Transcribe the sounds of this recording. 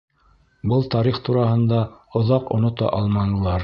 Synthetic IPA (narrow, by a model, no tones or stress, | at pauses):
bɤlˠt̪ɑɾiχt̪uɾɑhɤ̆nd̪ɑŏðɑqŏ̰nŏt̪ɑ̰ʔɑlˠmɑnɤ̆lˠɑɾ